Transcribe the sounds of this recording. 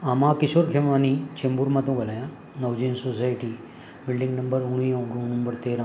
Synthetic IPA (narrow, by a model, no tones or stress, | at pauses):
amãkɪsoːɾkʰemanit͡ʃẽmbuɾmãt̪ũɡɐlajã | nɐwd͡ʒeːnsosaːjʈi | bɪlɖĩŋɡnɐmbəɾʊɽ̃jõɡɾuːnɐmbəɾt̪eːɾã